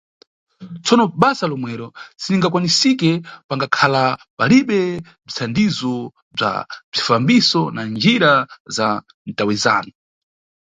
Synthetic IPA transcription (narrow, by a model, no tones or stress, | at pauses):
t͡sʰɔnɔɓasalɔmwɛɾɔsiniŋɡak̬wanisikɛpaŋɡakʰalapaliɓɛ | b͡ʐit͡sʰandizɔ | b͡ʐa̰b͡ʐifambisɔnand͡ʒiɾaza | n̩tawɛza̰ːnu